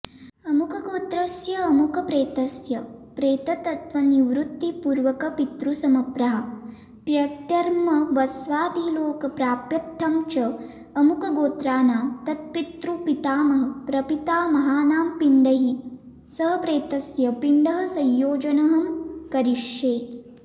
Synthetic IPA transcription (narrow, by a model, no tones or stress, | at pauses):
ɐmukɐɡoːt̪ɾɐsjɐːmukɐpɾeːt̪ɐsjɐpɾeːt̪ɐt̪ɐt̪ʋɐniʋɾut̪ːipuːɾʋɐkɐpit̪ɾusɐmɐpɾɐɦɐ | pɾɐt̪jɐɾmɐʋɐsʋaːd̪iːloːkɐpɾaːpjɐt̪ʰːɐmt͡ʃɐː | mukɐɡoːt̪ɾaːnaːmt̪ɐt̪̚pit̪ɾupit̪aːmɐɦɐpɾɐpit̪aːmɐɦaːnaːmpiɳɖɐɦi | sɐɦɐpɾeːt̪ɐsjɐpiɳɖɐɦɐsɐ̃jːoːd͡ʒɐnɐɦɐmkɐɾiʂjeː